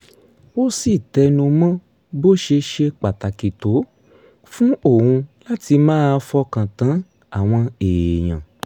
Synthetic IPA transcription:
o˦si˦˨tɛ˧nũ˧mã˦ | bo˦ʃe˧ʃe˧k͡pa˨ta˨ki˨to˨˦ | fũ˦o˦˨hũ˧la˦ti˧mãː˦˧fɔ˧kã˨tã˨˦ | a˦˨w̃ɔ̃˧e˨je˨j̃ã̰˨

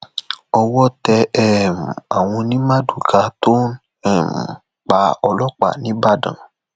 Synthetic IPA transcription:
ɔ˧wɔ˦tɛ˧ɛ˦˨m̩˨a˨w̃ɔ̃˧nĩ˦mã˦du˨ɡa˨˧to˦ | ɛ˦˨m˨ | k͡pa˧˦ɔ˧lɔ˦k͡pa̰˨nĩ˨˦ba˦˨dã̰˨

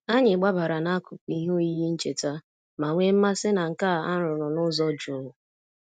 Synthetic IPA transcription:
a˦ɲɪ˨ɡ͡ba˦ba˨ɾa˨na˦kʊ˨ki˦ɦo˦i˦ji˦n̩˦t͡ʃe˨ta˦ | ma˨ŋʷe˦m̩˦ma˦sɪ˦na˨ŋ̩˨ka˦˨a̰˦ɾʊ˨ɾʊ˨nʊ˦zɔ˦d͡ʒʊ˨˦ɦʊ˨

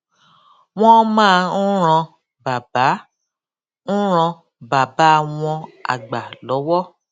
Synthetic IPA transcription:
w̃ɔ̃˦mãː˦˧n̩˦ɾ̃ã˧ | ba˨ba˨˦ | n̩˦ɾ̃ã˧ | ba˨ba˨˦˨w̃ɔ̃˧a̰˨ɡ͡ba˨lɔ˨˦wɔ˦

